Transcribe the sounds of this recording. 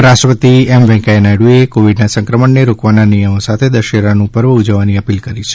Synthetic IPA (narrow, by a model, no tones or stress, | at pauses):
ɾaʃʈɾəpət̪iɛmʋɛ̃kaenajɽuekoʋiɖnasə̃ŋkɾəməɳneɾokʋananijəmosat̪ʰed̪əʃeɾanũpəɾʋəud͡ʒəʋːaniəpilkəɾit͡ʃʰe̥